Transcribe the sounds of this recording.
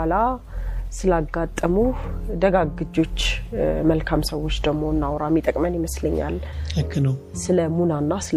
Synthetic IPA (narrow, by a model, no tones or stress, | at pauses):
ala | sɨlaɡːat̪ʼːəmud̪əɡaɡɨd͡ʒo̞t͡ʃːməlkʰamsəwːo̞t͡ʃːd̪əɡmo̞ɨnːawɾamːit̪ʼəkʼmənjɪməsləɲːa̰lhɨkʰːɨnəw | sɨləmunanːasɨl